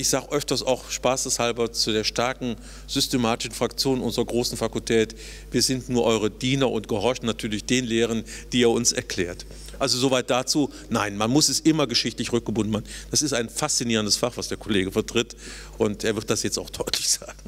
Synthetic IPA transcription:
ʔɪçz̥aːɡəʔœftɐstaʊxʃpaːsd̥ɛshalbɐt͡sudeːɐʃtaɐkŋ̩ | z̥ʏstemaːtɪ̥ʃn̩fʁ̥ak̚t͡sjoːnʔʊnzʁɐɡʁoːsn̩fakʊltʰɛːt | viːɐzɪntnuːɐʔɔʏʁədiːnɐʔʊntɡ̥əhɔɐçn̩nːatʰyːɐlɪçd̥eːnleːʁ̞ən | d̥iːeːɐʊnsɛɐkl̥ɛːɐt | ʔalzozovaɪt̚d̥at͡suː | naɪnmanmʊsɛsʔɪmɐɡəʃɪçtlɪçʁʏk̚ɡ̥əbʊndn̩maːnnd̥asɪstaɪnfast͡siniːʁəndəsfaχvasd̥eːɐkʰoleːɡəfɛɐtʁ̥ɪt | ʔʊntʔeːɐvɪɐʁt̚d̥asjɛt͡staʊxd̥ɔʏtʰlɪçz̥aːɡŋ̩

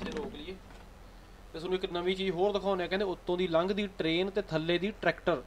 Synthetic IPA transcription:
eːɾoːklieː | t̪eːsənũːɪknəmiːt͡ʃiːzɦoːɾd̪əkʰaːʊnɛːkɛ̃ːd̪eːʊt̪ːõːd̪iːləŋɡd̪iːʈɾeːnt̪eːt̪ʰəlːeːd̪iːʈɾɛːkʈəɾ

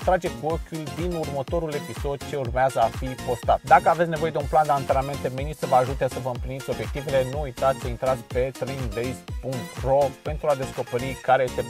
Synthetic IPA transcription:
t̪ɾad͡ʒekokʲulʲd̪inurmət̪o̞ɾule̞piso̞d̪̚t͡ʃe̞urmeazəafipo̞st̪at̪d̪akəavet̪sʲne̞vo̞je̞d̪e̞unpland̪eant̪ename̞nt̪e̞menisəvəaʒut̪esəvəɨmplinit̪sʲo̞bje̞k̚t̪ivele̞nuːjt̪at̪sʲsəint̪ɾat̪sʲpe̞t̪ɾend̪ejspuŋk̚t̪ro̞pe̞nt̪ɾuad̪e̞sko̞peɾikaɾe̞je̞st̪e̞

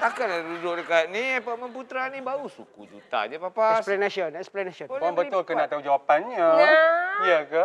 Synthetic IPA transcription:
t̪akanadudʊʔ̚dəkaʔ̪̚nĩapaməmput̪ɾanĩbausukud͡ʒṵt̪a̰ɲapapaɛsplɛnaʃɔnɛksplɛnaʃɔnaŋbət̪ʊlkənaʔt̪aud͡ʒawapanɲãjiəka

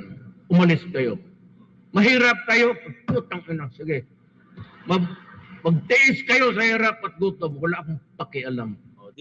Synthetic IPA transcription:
ʊmalɪskɐjo | mɐɦiːɾap̚kɐjoɐut̪aŋanasiɡɪ | mamɐɡ̚t̪ɪʔɪskɐjosɐhiːɾap̚ɐt̪̚ɡut̪oŋwalaʔkʊmpakɪʔalamo

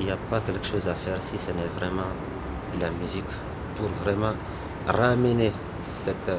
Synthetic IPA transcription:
ijapakɛlkə̥ʃozafɛɾsisenɛvrɛmɑ̃ | lamyzikʲ | puɾvrɛmɑ̃ | raːmene | sɛt̪

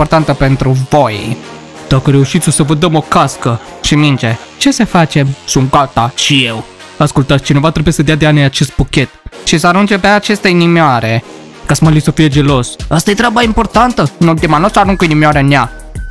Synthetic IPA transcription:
ipo̞rt̪ant̪əpe̞nt̪ɾuvo̞j | d̪̥akəɾe̞uʃit̪sʲosəvəd̪əmo̞kaskə | ʃimind͡ʒe | t͡ʃe̞sefat͡ʃe̞msunt̪̚ɡat̪aʃije̞w | askult̪at̪sʲt͡ʃine̞vat̪ɾe̞bujesəd̪ead̪eanejat͡ʃe̞st̪̚pukʲe̞t̪ʃisəaɾund͡ʒempeaːt͡ʃe̞st̪əinimeaɾe̞ | kasmalisəfije̞d͡ʒe̞lo̞sast̪ajet̪ɾʲabaimpo̞rt̪ant̪əɨnult̪imanosaɾuŋkoinimeaɾenea

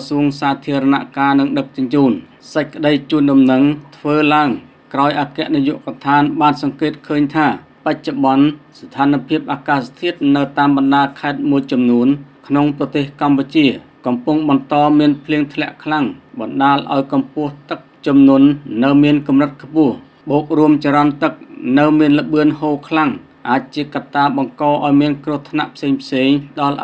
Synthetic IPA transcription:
suənsaːt̪ʰiəɾɑna̰ʔkaːnɨŋɗək̚t͡ɕʊɲt͡ɕuːn | səc̚kə̆ɗəjt͡ɕuːnɗɑmnəŋt̪ʰʋəːlaəŋ | kraɔjʔaːkɛ̆əʔnijuəʔkat̪ʰaːnɓaːnsɑŋkeːt̪̚kʰəːɲt̪ʰaː | pac̚t͡ɕoɓɑnst̪ʰaːnapʰiəp̚ʔaːkaːst̪ʰiət̪̚nɨwt̪aːmɓɑnɗaːlkʰaɛt̪̚muəjt͡ɕɑmnuənkʰnoŋprɑt̪eːhkamput͡ɕiəkɑmpuŋɓɑnt̪ɑːmiənpʰliəŋt̪ʰlɛ̆əʔkʰlaŋɓɑnɗaːlʔa̰ɔjkɑmpʊ̆əht̪ɨk̚t͡ɕɑmnŭənːɨwmiənkumrɨt̪̚kʰpʊ̆əh | ɓoːk̚ruəmt͡ɕaɾɑnt̪ɨk̚nɨwmiənlə̆ɓɨənhoːkʰlaŋ | ʔaːc̚t͡ɕiəkat̪ːaːɓɑŋkɑːʔaɔjmiənkruəht̪ʰna̰ʔpʰseːŋpʰseːŋɗɑl

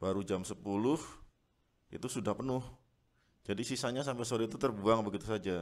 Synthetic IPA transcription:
b̥aɾud͡ʒamsəpulʊh | ḭt̪usudahpənʊh | d͡ʒadisisaɲasampɛsoɾiit̪ut̪ərbuaŋbəɡit̪usad͡ʒa

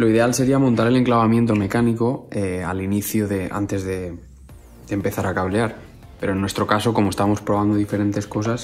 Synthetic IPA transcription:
loiðe̞alse̞ɾiamont̪aɾe̞le̞ŋklaβamje̞nt̪̬o̞me̞kaniko̞ea̰liniθjuðe̞a̰nt̪e̞zðe̞ | d̪̥empe̞θaɾakaβleaɾ | pe̞ɾonːwe̞st̪ɾo̞kaso̞ko̞most̪aβmo̞spɾo̞β̞and̪o̞ðife̞ɾe̞nt̪e̞sko̞s̬as

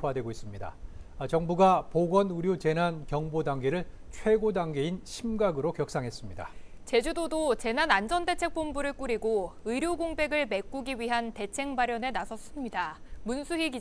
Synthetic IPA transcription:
wadwe̞ɡois͈ɯmɲida̰t͡ɕʌŋbuɡapoɡwʌnuɾjot͡ɕe̞nankjʌŋbodaŋɡe̞ɾɯɭ | t͡ɕʰwe̞ɡodaŋɡe̞inɕʰimɡaɡɯɾokjʌk̚s͈aŋɦe̞s͈ɯmɲida̰ | t͡ɕe̞d͡ʑudodot͡ɕe̞nanand͡ʑʌnde̞t͡ɕʰe̞k̚p͈ombuɾɯɭk͈uɾiɡoɯɾjoɡoŋbe̞ɡɯɭme̞k͈uɡiɥiɦante̞t͡ɕʰe̞ŋbaɾjʌne̞nasʰʌs͈ɯmɲidamunsʰuɦiɡi

